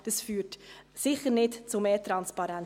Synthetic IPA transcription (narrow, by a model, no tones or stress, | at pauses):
d̥əsfyːtsɪχəɾnɪtt͡sumeːtɾɑnspɑɾɛn